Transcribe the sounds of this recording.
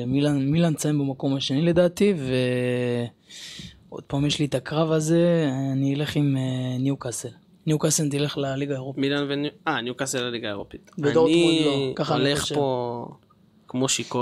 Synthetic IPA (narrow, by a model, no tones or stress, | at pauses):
milanmilant͡sajembemako̞maʃenile̞d̪aːt̪ive̞ | o̞̰d̪̥̚paːmjeʃlitakʁavaze̞aniile̞χimenjukasel | njukasent̪ile̞χlaliɡaeʁopmilanvenuanjukaselːaliɡaeʁopitbedoʁnid̪mulokaχaleχpo | kmoʃiko